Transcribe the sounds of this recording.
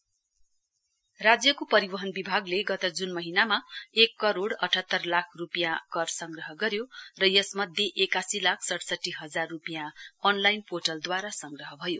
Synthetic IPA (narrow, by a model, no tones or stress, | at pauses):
rad͡zjʌkopʌɾibʌɦʌnbibʱaɡleɡʌt̪ʌd͡zunmʌɦinamaekːʌɾoɽʌʈʰʌt̪ːʌrlakʰrupjãkʌrsʌŋɡrʌɦʌɡʌɾjorʌjʌsmʌd̪ʱjeʔekasilakʰsʌʈsʌʈːiɦʌd͡zarːupjãʌnlajnpoʈʌld̪waɾasʌŋɡrʌɦʌbʱʌjo